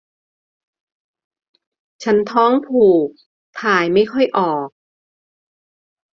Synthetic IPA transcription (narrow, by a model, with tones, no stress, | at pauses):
t͡ɕʰa˦˥nt̪ʰɔː˦˥ŋpʰuː˨˩k̚ | t̪ʰaː˨˩jma˥˩jkʰɔ˥˩jʔɔː˨˩k̚